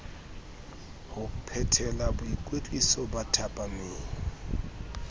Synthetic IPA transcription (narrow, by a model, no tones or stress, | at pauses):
hʊpʰɛtʰɛlabʊikʼwet͡ɬʼisɔbatʰapʼameːŋɔ